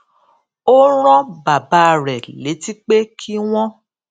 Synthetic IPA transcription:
o˦ɾ̃ɔ̃˦ba˨ba˨˦˨ɾɛ˨le˨˦ti˦k͡pe˦kʰi˦w̃ɔ̃˦

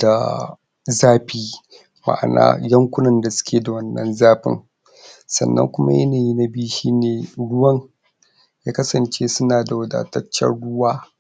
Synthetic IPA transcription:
da˨ | zaː˦ɸiː˦ | ma̰˨ʔa̰˨na̰ː˦jɐ˦ŋkʷʊ˦nɐ˨nda˨sʊ̥˦kʲeː˨da˨wɐ˦nːɐ̰˦nzaː˦ɸɪ̰˦ŋ | sɐ̰˨nːɐ̰˦ŋkʷʊ˦ma̰˦jɐ˦naː˨ji˦na˦biː˦ʃiː˦neː˨ɽʊ˦wɐ˦ŋ | jaː˦kɐ˦sɐ˨nt͡ʃeː˦sʊ˦naː˨da˨wɐ˦da̰ː˨tɐ˦t͡ʃːɐ̰˦ɽʊ˦waː˦

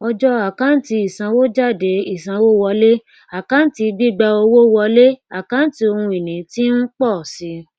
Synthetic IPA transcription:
ɔ˧d͡ʒɔ˦a˨kã˦n̩˦ti˧i˨sã˧wo˦d͡ʒa˦˨de˨˦i˨sã˨˧wo˦wɔ˧le˦ | a˨kã˨˦n̩˦ti˧bi˦ɡ͡ba˧o˧wo˦wɔ˧le˦a˨kã˨˦n̩˦ti˧o˧hũ˧i˨nĩ˨˦ti˦n̩˦k͡pɔ˦˨si˧˦

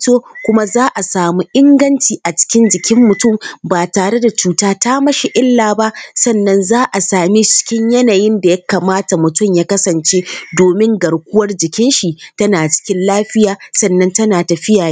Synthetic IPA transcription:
toː˦kʷʊ˦ma˦zaː˦ʔa˨saː˨muː˦ʔɪ˦ŋɡɐ˦nt͡ʃiː˨ʔa˨t͡ʃɪ̥˦kʲɪ˦nd͡ʒɪ˨kʲɪ˦mːʊ˨tʊ˦˨mbaː˨taː˨ɽe˦da˨t͡ʃuː˦taː˦taː˦mɐ˦ʃi˨ʔɪ˦lːaː˨ba˦ʔsɐ˦˨nːɐ˦nzaː˦ʔa˨saː˨mi˦t͡ʃɪ̥˦kʲɪ˦ɲjɐ˦naː˨jɪ˦nda˨jɐ˦kaː˨maː˦ta˨mʊ˨tʊ˦mjaː˦kɐ˦sɐ˨nt͡ʃeː˦doː˨mɪ˦ŋɡɐ˨ɽkʷʊ˦wɐ˦rd͡ʒɪ˨kʲɪ˦nʃi˨tɐ˦naː˨t͡ʃɪ̥˦kʲɪ˦nlaː˦ɸɪ˦jaː˨sɐ˦˨nːɐ˦ntɐ˦naː˨tɐ˨ɸɪ˦jaː˨jeː˦

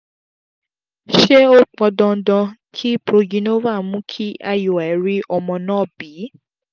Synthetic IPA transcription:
ʃe˦o˦k͡pɔ˧dɔ̃˧˦dɔ̃˧kʰi˦pɾo˧d͡ʒĩ˧˦no˦va˦˨mũ˦kʰi˦a˦jo˨ɛ˨ɾi˦ʔɔ˧mɔ̃˧nãː˦˨bi˨˦

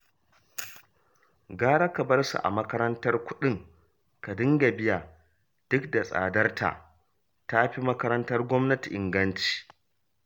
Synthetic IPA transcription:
ɡaː˦ɽa˦kɐ˨bɐ˦rsṵ˨ʔa̰˨mɐ˦kɐ˦ɾɐ˦ntɐ˦rkʷʊ˦ɗɪ˦ŋ | ka˨dɪ˦ŋɡɐ˨bɪ˦jaː˨ | d̥ʊ˦kda˨sʼa̰ː˨dɐ˦rtʰa̰ː˨ | ta˦ɸi˦mɐ˦kɐ˦ɾɐ˦ntɐ˦rɡʷɔ˦mnɐ˦ti˨ʔɪ˨ŋɡɐ˦nt͡ʃi̥ː˨

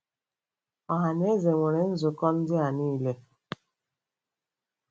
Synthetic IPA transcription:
ɔ˨ɦa˨n˦e˦ze˨ŋʷe˨ɾe˨n̩˦zʊ˨kɔ˦n̩˦dɪ˦a˨niː˦le˦

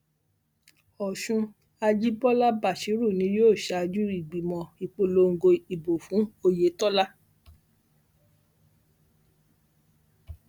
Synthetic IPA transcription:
ɔ˨ʃũ˧ | a˧d͡ʒi˦bɔ˦la˦ba˦˨ʃi˨˦ɾu˦˨nĩ˨˦joː˦˨ʃa˧˨˧d͡ʒu˦i˨ɡ͡bi˨mɔ̃˧i˨k͡po˧lo˧˦ŋ̩˨ɡo˧i˨bo˨fũ˨˦o˧je˨˦tɔ˦la˦

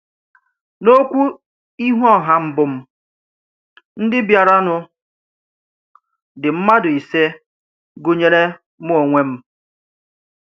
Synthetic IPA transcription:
no˦kʷu˦ | i˦ɦɔ˦˨ɦa˦m̩˦bʊ˨m̩˦ | n̩˦dɪ˦bja˨ɾa˦nʊ˨ | dɪ˨m̩˦ma˦dʊ˨i˨se˦ | ɡo˦ɲe˦ɾe˦ | m˦o˨ŋʷe˦m̩˦

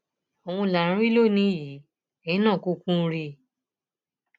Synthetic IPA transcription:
o˨w̃ũ˧˨la˨ɾ̃ũ˦i˦lo˦˨nĩ˨˦ji˨˦ | ɛ˨ĩ˦nã˦˨kũ˦kũ˦˧ɾi˧

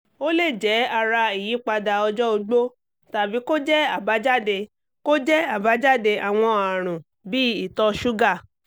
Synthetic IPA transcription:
o˦le˦˨d͡ʒɛ˨˦a˧˨ɾa˧i˨jĩ˨˦k͡pa˧da˧ɔ˧d͡ʒɔ˦o˧ɡ͡bo˦ | ta˨bi˨˦ko˦d͡ʒɛ˦a˨ba˨˦d͡ʒa˦˨de˧ | ko˦d͡ʒɛ˦a˦˨ba˨˦d͡ʒa˦de˧ʔa˨w̃ɔ̃˧a˨ɾ̃ũ˨ | bi˦i˦˨tɔ˧ʃu˦ɡa˦˨

